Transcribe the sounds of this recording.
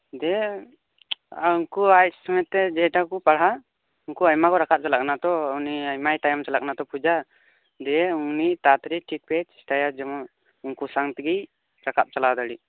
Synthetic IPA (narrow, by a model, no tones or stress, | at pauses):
d̪ɛ | uŋkuajsɔmɛt̪ːɛd͡ʒɛʈakupaɽɦa | uŋkuajmakɔɾakʰap̚t͡ʃalak̚nat̪ɔuniajmajʈajmt͡ʃalak̚nat̪ɔpʰud͡ʒa | d̪ɛunit̪at̪ɾiʈʰik̚pɛt͡ʃi̥sʈajad͡ʒɔm | uŋkusaŋt̪iɡij | ɾakʰap̚t͡ʃalad̪aɽi